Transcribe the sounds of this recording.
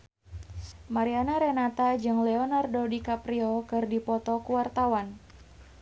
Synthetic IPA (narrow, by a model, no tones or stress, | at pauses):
maɾianaɾɛnat̪ad͡ʒɨŋlɛɔnardodikapɾiɔkɨrdipɔt̪ɔkuwart̪awan